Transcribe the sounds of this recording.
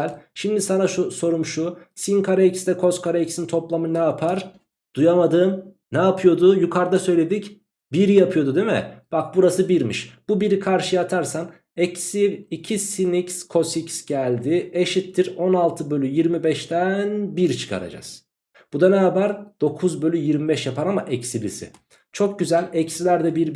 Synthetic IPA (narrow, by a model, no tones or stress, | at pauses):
lʲʃimd̪isanaʃuso̞ɾumʃu | sinkʰaɾaicsd̪ɛkʰo̞skʰaɾaicsint̪ʰo̞plˠamɯnɛapʰaɾ | d̪̥ujamad̪ɯːm | nɛːpʰɯjo̞d̪ʊjukʰaɾd̪asø̞jlʲe̞d̪ic | biɾijapʰɯjo̞d̪ud̪emɪ̰b̥ak̚buɾasɯbiɾmiʃb̥ubiɾikʰaɾʃɯjat̪ʰaɾsan | ɛcsiɾicʰisinicskʰo̞sicsɟ̥ælʲd̪ɪeʃit̪ʰːiɾo̞nalˠt̪ʰɯbølʲyjiɾmibɛʃt̪ænbiɾt͡ʃʰɯ̥kʰa̰ɾa̰d͡ʒa̰z̥ | b̥ud̪anaɦabæɾd̪̥o̞kʰuzbølʲyjiɾmibɛʃjapʰaɾamaʔɛcsilʲḭsɪ̰ | t͡ʃʰo̞k̚ɟyzælʲɛcsilʲæɾd̪ɛbiɾ